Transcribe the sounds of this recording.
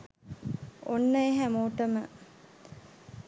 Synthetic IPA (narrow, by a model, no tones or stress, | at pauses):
onːəeɦæmoːʈəmə